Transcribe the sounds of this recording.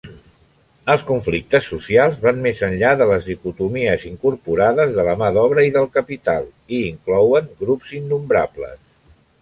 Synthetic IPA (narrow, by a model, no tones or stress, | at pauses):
əlˠskuɱflik̚t̪əsːusialˠzβanmezənʎaðələzðikut̪umiəziŋkuɾpuɾaðəzðələmaðɔβɾəiðəlˠkəpit̪alˠ | iːŋklɔwəŋɡɾupz̥inːumbɾa̰blə̰s